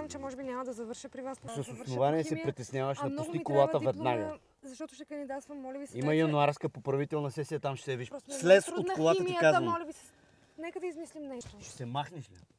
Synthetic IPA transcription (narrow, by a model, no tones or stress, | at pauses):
mt͡ʃɛmɔʒɛbinʲamɐd̪ɐzɐvɤɾʃəpɾivassɐsosnovaniɛsɛpɾit̪ɛsnʲjavəʃd̪ɐp̪ust̪ikolˠat̪əvɛd̪naɡə | zɐʃt̪ɔt̪ʊʃt̪ɛkɐnd̪id̪at̪t̪vɐmːɔlʲɐvisiməjɐnuaɾskəpopɾɐvit̪ɛlˠnɐsɛsijət̪amʃɛt̪ɛviʃsslɛsot̪kolˠat̪əikazɐnlʲɐbi | nɛkəd̪ɐizmislimnɛʃt̪ot͡ʃɛ̥sɛmaxniʃlʲi